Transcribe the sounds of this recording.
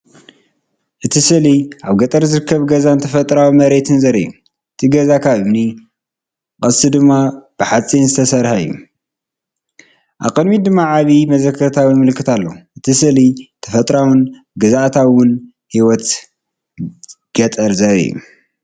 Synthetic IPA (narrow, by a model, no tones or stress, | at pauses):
ʔɨt̪ʰisɨliʔaβɡɐt̪ʼɐɾzɨɾɨkʰːɐβɡɐzant̪ʰɐfɐt̪ʼɾawimɐɾe̞t̪ʰɨnzɐɾɐ̰ju | ʔɨt̪ʰiɡɐzakʰaβɨni | kʼɐsɨd̪ɨmːab̥ɨħat͡sʼinzɨt̪ʰɐsɐɾhaɨjːṵ | ʔa̰βqʼɨnmid̪ɨmːaʕaβimɐzɐkʰːɐɾt̪ʰawɨnmɨlɨkʰːɨt̪ʰalːo̰ʔɨt̪ʰisɨlit̪ʰɐ̥fɐt̪ʼɾawʊn | ɡɐzaʔt̪ʰawʊn | hiwɔt̪ | ɡ̥ɐt̪ʼɐɾzɐɾɐ̰jːṵ